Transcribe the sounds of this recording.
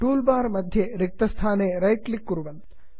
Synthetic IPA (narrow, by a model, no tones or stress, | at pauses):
ʈuːlbaːɾmɐd̪ʱjeɾik̚t̪ɐst̪ʰaːneːɾɐjʈlikːuɾuʋɐn